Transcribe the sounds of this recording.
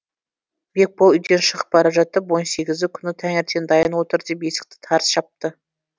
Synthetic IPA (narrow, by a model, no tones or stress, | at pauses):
bek̚polˠʏjd̪e̞nʃəʁəp̚bɑɾɑʒɑt̪ːəpwo̞nse̞ɡʲɪzɪkʲʰʏnɪt̪ʰæŋeɾt̪ʰe̞nd̪ɑjənwo̞t̪əɾd̪epje̞sɪ̥k̚t̪ɪ̥t̪ʰɑɾsʃɑp̚t̪ə